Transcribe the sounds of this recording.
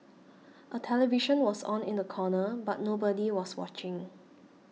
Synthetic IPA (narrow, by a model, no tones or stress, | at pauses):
ʔətʰɛlɛviʃə̃nwɔsɔ̰̃nɪ̃ndəkʰɔnəbat̚nobədiwɔswɔ̰t͡ʃɪ̃ŋ